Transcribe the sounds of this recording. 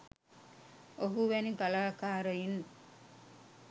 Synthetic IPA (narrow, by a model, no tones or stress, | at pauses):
oɦuʋæniɡalaːkaːɾəin